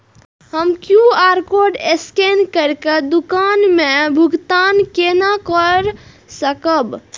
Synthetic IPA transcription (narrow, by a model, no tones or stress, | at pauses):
həmkjuaɾkoɖeskenkəɾked̪ukanmebʱuɡt̪ankenakəɾ | səkəb